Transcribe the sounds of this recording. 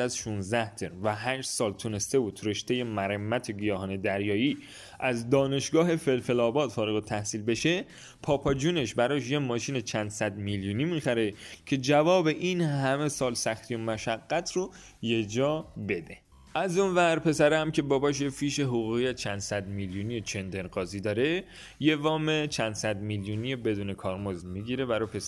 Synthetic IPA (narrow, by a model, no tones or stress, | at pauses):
æzʃunzd̪æht̪ʰeɾvæɦæʃsɒːlt̪ʰune̞st̪e̞vut̪ʰɾe̞ʃt̪e̞jemæɾemːæt̪ʰeɡijɒːhɒːne̞d̪æɾjɒːjiː | ʔæzd̪ɒːne̞ʃɡɒːɦe̞fe̞lfe̞lɒːbɒːd̪̥fɒːɾeɣut̪ʰæhsiːlbe̞ʃe̞ | pʰɒːpʰɒːd͡ʒuːne̞ʃbæɾɒːʃ̬jemɒːʃiːne̞t͡ʃʰænd̪̥sæd̪miljuːnimixæɾe̞cʰe̞d͡ʒævɒːbe̞ʔinhæme̞sɒːlsæxt̪ʰijo̞mæʃæɡːæt̪ʰro | je̞d͡ʒɒːbe̞d̪e̞ | ʔæzonvæɾpʰe̞sæɾehæmcʰe̞bɒːbɒːʃ̬jefiːʃeɦoɣuːɣijæt͡ʃʰænd̪sæd̪miljuːnijet͡ʃʰe̞nd̪eɾɢɒːziːd̪ɒːɾe̞ | je̞vɒːme̞t͡ʃʰænd̪̥sæd̪miljunijebe̞d̪uːne̞kʰɒːɾmozmiɡiːɾe̞bæɾɔpʰes